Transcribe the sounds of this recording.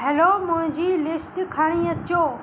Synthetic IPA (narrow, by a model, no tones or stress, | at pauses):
ɛlomʊ̃ɦɪ̃ɲd͡ʑiːlɪsʈkʰaːɽ̃iɐt͡ɕoː